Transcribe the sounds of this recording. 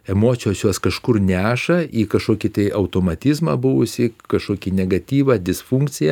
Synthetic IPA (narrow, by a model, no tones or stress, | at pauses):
ɛmoːt͡s̪ʲɪjoːsjoːskɐʃkʊɾnʲæːʃɐiːkɐʃkoːkʲit̪ɐɪʔɐʊt̪oːmɐt̪ʲɪzmɐ̰bʊʋʊsʲɪkɐʃkoːkʲiːnʲɛɡɐt̪ʲiːʋɐːd̪ʲɪsfuŋkt͡s̪ʲɪjɛ